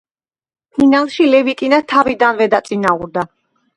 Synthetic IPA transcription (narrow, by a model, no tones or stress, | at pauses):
pʰinalˠʃilɛvik̪ʼinat̪ʰavid̪anvɛd̪at̪sʼinauɾd̪a